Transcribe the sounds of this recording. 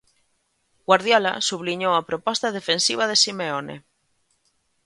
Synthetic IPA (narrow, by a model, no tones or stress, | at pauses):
ɡ̥waɾð̞jɔla̰suβliɲowapɾopɔst̪aðefensiβ̞aðesimeonḛ